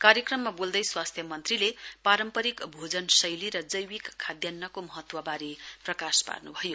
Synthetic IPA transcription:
kaɾjʌkrʌmːabold̪ʌjswast̪ʰjʌmʌnt̪rilepaɾʌmpʌɾikbʱod͡zʌnsʌjliɾʌd͡zʌjwikʰːad̪janːʌkomʌɦʌt̪wʌbaɾiprʌkaspa̰rnubʱʌjo

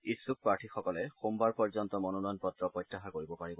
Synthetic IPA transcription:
isuk̚paɹʈʰixɔkɔlɛxumbaɹpɔɹzɔnt̪ɔmɔnɔnɔjnpɔtɹɔpɹɔjtːaxakoɹibɔpaɹibɔ

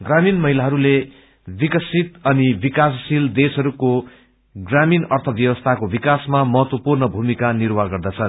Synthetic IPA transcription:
ɡraminmʌɦilaɦʌɾule | bikʌsit̪ʌnibikasʌsild̪esɦʌɾuko | ɡraminʌrt̪ʰʌbjʌwʌst̪ʰakobikasmamʌɦʌt̪wʌpurnʌbʱumikanirwaɡʌrd̪ʌt͡sʰʌ

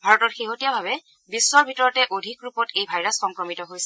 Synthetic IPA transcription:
bʱaɹɔtɔɹxeɦotijabʱabɛ | biswɔɹbʱitɔɹɔtɛʔodʱikɹupɔtejbʱajɹasxɔŋkɹɔmitɔɦojsɛ

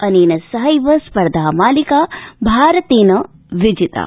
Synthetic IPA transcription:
ɐniːnɐsɐɦɐjʋɐspɐɾd̪ʱaːmaːlikaːbʱaːɾɐt̪iːnɐ | ʋid͡ʒit̪a̰ː

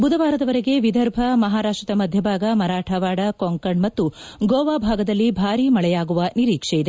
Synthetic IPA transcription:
bud̪ɐʋaːɾɐd̪ɐʋɐɾeɡe̞ʋid̪ʱɐɾbʱɐmɐɦaːɾaːʂʈɾɐt̪ɐmɐd̪ʱjɐbʱaːɡɐmɐɾaːʈʰɐʋaːɽɐkoŋkɐɳmɐt̪ːu | ɡoːʋaːbʱaːɡɐd̪ɐlːibʱaːɾimɐɭɛjaːɡuʋɐniɾiːkʂejid̪e

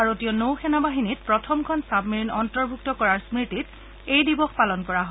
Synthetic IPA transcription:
aɹotijɔnowxɛnabaɦinit̚pɹɔtʰɔmkʰɔnsabmiɹinɔntɔɹbʱuk̚tɔkɔɹaɹsmɹitit | ejdibɔxpalɔnkɔɹaɦɔ

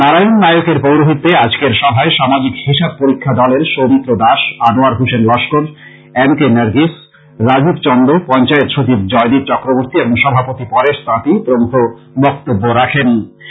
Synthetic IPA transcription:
naɾajonːajokeɾpowɾoɦit̪ːead͡ʑkeɾʃɔbʱaeʃamad͡ʑikhiʃab̚poɾikʰːad̪ɔleɾʃomit̪ːɾod̪aʃanoaɾɦuʃenlɔʃkoɾ | enkenaɾɡis | ɾad͡ʑibt͡ɕɔnd̪opɔnt͡ɕaet̪ʃot͡ɕib̚d͡ʑɔed̪iɾt͡ɕɔkɾoboɾt̪ieboŋʃɔbʱapot̪ipɔɾeʃt̪ãt̪ip̪ɾoŋt̪ʰo | bɔk̚t̪obːoɾakʰen

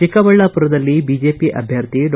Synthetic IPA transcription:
ikɐbɐɭːɐpuɾɐd̪ɐlːibid͡ʒeːpiʔɐ̰bʱjɐɾt̪in

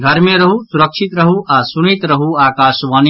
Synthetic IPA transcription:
ɡʱɐɾmẽɾɐɦusuɾɐkʃit̪ɾɐɦuʔaːsunit̪ɾɐɦuaːkaːʃʋaːn

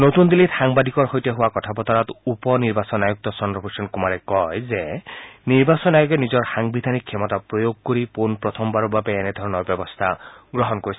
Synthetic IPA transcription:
not̪und̪ilit̪xaŋbad̪ʱikɔɹxojteɦʊwakɔtʰapɔt̪ɔɹat̪upɔniɹbasɔnajuk̚t̪ɔsɔndɔpʰusɔnkumaɾɛkɔjzeniɹbasɔnajoɡenizɔɹxaŋbid̪ʱanikʰːjɔmɔtapɹojoɡ̚koɾipunpɹɔt̪ʰɔmbaɹubabeːned̪ʱɔɹɔnɔɹbjɔbɔst̪ʰaɡɹɔɦɔnkoɾis

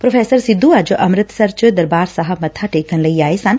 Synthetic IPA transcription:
pɾofʰeːsəɾsid̪ʱːuad͡ʒoʔɐmɾɪt̪sɐɾt͡ʃəd̪ɐɾbaːɾsɐɦə̆mɐt̪ʰaːʈeːkənləiaːesaːn

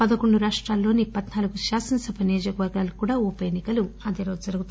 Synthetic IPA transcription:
pɐd̪ɐkoɳɖuɾaːʂʈɾaːlːo̞ːnipɐd̪naːluɡuʃaːsɐnsɐpɐneːd͡ʒɐkɐʋɐɾɡaːlukuːɽaːupɐjenːikɐluɐd̪eɾoːd͡ʒud͡zɐɾuɡut̪

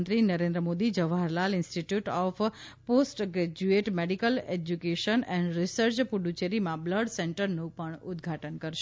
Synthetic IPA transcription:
nt̪ɾinəɾẽnd̪ɾəmod̪id͡ʒəʋaɾlalɪ̃nsʈiʈjuʈɔf | posʈɡɾed͡ʒueʈmeɖikəled͡ʒukeʃənɛɳɖɾisəɾt͡ʃpuɖut͡ʃeɾimãbləɖseɳʈəɾnũpəɳʊd̪ɡʱaʈənkəɾʃ

